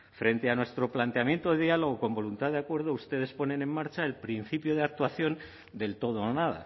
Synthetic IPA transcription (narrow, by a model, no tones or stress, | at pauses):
fɾe̞nt̪e̞anwe̞st̪ɾo̞plant̪eamje̞nt̪oðeðialo̞ɣ̞oko̞mbo̞lunt̪aðeakwe̞ɾðoust̪e̞ð̞e̞spo̞nẽ̞nemːaɾt͡ʃaelpɾin̟θipjoð̞eak̚t̪waθjo̞n | d̪e̞lt̪o̞ð̞onaða̰